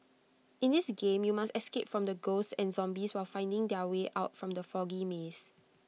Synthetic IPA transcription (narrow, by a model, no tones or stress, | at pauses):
ĩndisɡẽmjumastɛskep̚fɹɔ̃mdəɡossɛ̃nzɔ̃mbiswaɪlfãɪ̃ndɪ̃ŋdɛəweʔaʊt̚fɹɔ̃mdəfɔɡimes